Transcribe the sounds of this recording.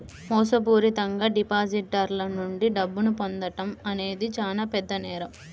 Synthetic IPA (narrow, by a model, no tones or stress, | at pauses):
mɔːsɐp̬uːɾit̪ɐŋɡaːɖipaːd͡ʒiʈ̚ɖɐɾlɐnuɳɖiɖɐbːunupond̪ɐʈɐmɐne̞ːd̪it͡ʃaːlaːpɛd̪ːɐnɛːɾɐm